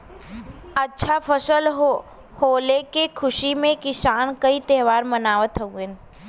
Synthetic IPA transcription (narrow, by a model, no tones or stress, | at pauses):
ətːʃʰapʰəʃəl | hoːlekekʰʊʃimẽkɪsaːnkəit̪ɛɦʋaːɾmənaːʋət̪ɦoɡe